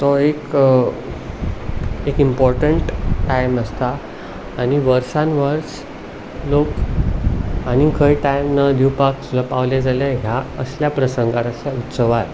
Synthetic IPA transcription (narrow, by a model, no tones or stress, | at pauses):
t̪ɔek | ekimpɔɾʈəɳʈːajməst̪aː | ñiʋəɾsãnʋəɾs | lok | añikʰəjʈajmnad̪iwpaksulapaʋljad͡zalɛɦjaə̰sljapɾəsəŋɡat̪əsjaut̪səʋat̪